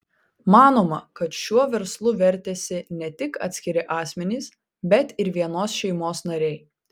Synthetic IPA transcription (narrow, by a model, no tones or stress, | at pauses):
mɑːnoːmɐkɐt̪ʃʲuɔʋʲɛɾslˠʊʋʲɛɾʲt̪ʲɛsʲɪnʲɛt̪ʲɪkɑ̰ːt̪ʲsʲkʲɪɾʲɪʔɑːsʲmʲɛnʲiːs | bʲɛt̪ɪɾʋʲiɛnoːsʃʲɛɪmoːsnɐɾʲɛɪ